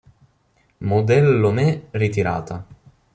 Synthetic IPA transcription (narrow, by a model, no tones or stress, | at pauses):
mod̪ɛlːomɛrit̪iɾa̰ːt̪a